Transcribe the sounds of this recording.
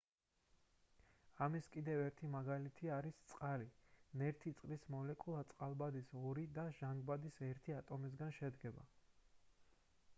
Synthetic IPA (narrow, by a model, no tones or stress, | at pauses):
amiskʼid̪ɛvɛɾt̪ʰimaɡalit̪ʰiaɾist̪sʼqʼalinɛɾt̪ʰit̪sʼqʼlismɔlɛkʼulˠat̪sʼqʼalˠbad̪isɔɾid̪aʒ̥aŋɡbad̪isɛɾt̪ʰiat̪ʼɔmis̬ɡanʃɛd̪ɡɛba̰